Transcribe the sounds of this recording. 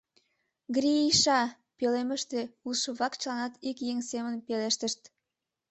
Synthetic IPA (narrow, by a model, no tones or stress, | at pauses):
ɡriʃɑ | pølemə̆ʃt̪eulʃəβɑkt͡ʃlɑnɑt̪ikjeŋsemə̆npeleʃt̪əʃt̪